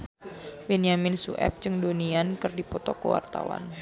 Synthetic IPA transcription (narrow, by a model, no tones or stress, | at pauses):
bɛniamɪnsṵʔɛ̰p̚t͡ʃɨŋdoniankɨrdipɔt̪ɔkəwa̰rt̪awa̰n